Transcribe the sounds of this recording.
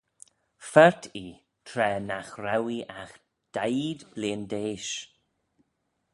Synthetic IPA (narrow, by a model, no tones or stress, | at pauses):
fɛɹtʰi | tʰɾɛːnaxɾawiʔax | d̪̥ajdbleːndeːʃ